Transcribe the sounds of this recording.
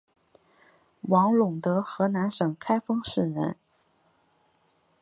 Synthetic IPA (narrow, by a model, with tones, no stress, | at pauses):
wɑ˧˥ŋlʊ˨˩ŋt̪ɤ˧˥xɤ˧˥na˧˥nʂɤ˨˩ŋkʰa˥ɪfɤ˥ŋʂɻ̩˨˩ɻə̰˧˥n